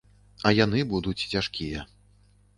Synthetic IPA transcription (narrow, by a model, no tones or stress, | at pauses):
ɐjanɨbud̪ut͡sʲt͡sʲaʂkʲijɐ